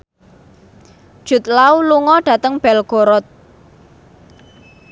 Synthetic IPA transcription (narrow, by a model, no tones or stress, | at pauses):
d̥ʒ̥ṳt̪̚lauluŋɔɖ̥ä̤t̪əŋb̥ɛlɡ̥o̤ɾɔt̪̚